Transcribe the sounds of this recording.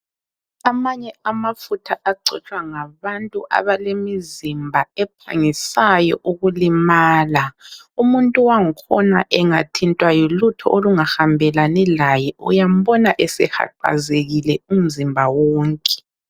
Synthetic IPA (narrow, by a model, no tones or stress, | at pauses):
amaɲɛamafutʰaʔaǀɛ̰t͡ʃʼwaŋaβantʼuʔa̰βalemizimbʱaɛpʰa̰ŋisajɔ̰ʔuɣulimaːlaumuntʼuwaŋikʰɔna̰ʔɛŋatʰintʼwajɔlutʰɔ̰ʔoluŋahambʱɛlanɛlajɛṵjam̩bɔnaʔɛsɛxa̰ǃa̰zeɣilɛum̩zimbʱawɔːŋkʼɛ̥